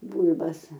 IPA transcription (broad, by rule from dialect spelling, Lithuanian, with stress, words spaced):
ˈbuːlʲbɐs